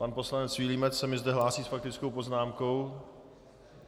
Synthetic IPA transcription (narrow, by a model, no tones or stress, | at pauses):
panpo̞slanɛt͡sviːliːmɛt͡ssɛmɪzdɛɦlaːsiːsfak̚t̪ɪt͡skowpo̞znaːmko̞w